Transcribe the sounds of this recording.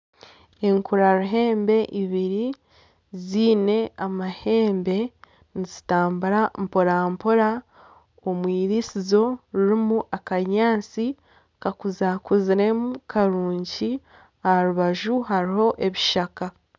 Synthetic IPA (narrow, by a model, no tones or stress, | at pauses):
e̞ŋkuɾaɾuɦe̞ːmbe̞ʔiβiɾi | ziːne̞amahe̞ːmbe̞ | nizitaːmbuɾampoɾampoɾa | omwiːɾisizo̞ɾuɾimuʔakaɲaːnt͡si | kakuzakuziɾe̞mukʰaɾuːɲɟi | aaɾuβaʒuɦaɾiho̞ʔe̞βiʃaka